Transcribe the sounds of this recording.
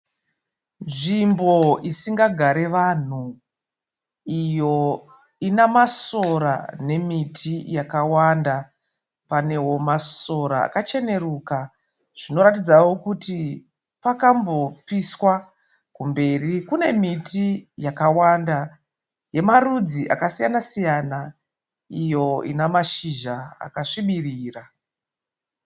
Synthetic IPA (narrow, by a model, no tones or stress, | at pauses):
nʐimbo̞isiŋɡaɡʱaɾe̞ʋan̤u | ijo̞ | inamasoɾa̰ne̞mitʰijakawanda | pane̞ɦo̞masoɾa̰a̰kat͡ʃe̞ne̞ruka | ʐ̥ino̞ɾatid͡zawo̞kuti | pakambo̞piswa | kumbe̞rikune̞mitijakawanda | je̞marud͡ziʔakasijanasijana | ijo̞ḭnamaʃiʒaa̰kaʂiɓiriːra